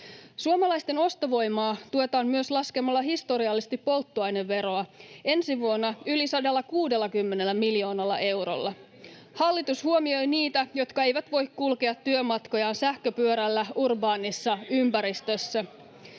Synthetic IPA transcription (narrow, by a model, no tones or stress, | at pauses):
suomɑlɑjst̪e̞no̞st̪oʋo̞jmɑːt̪uo̞t̪ɑːnmyøslɑskemɑlːɑɦist̪o̞ɾiɑlːist̪ipːo̞lt̪ːuɑjneʋːe̞ɾo̞ɑe̞nsiʋuonːɑylisɑdelːɑkuːde̞lːɑkymːe̞ne̞lːæmiljo̞ːnɑlːɑ̰ʔe̞wɾo̞̰lːɑ | hɑlːit̪ushuomio̞jniːt̪æjo̞t̪kɑe̞jʋæt̪ʋo̞jkkulkeɑt̪ːyømɑt̪ko̞jɑːnsæhkøpyøɾælːæurbɑːnisːɑympæɾist̪øsːæ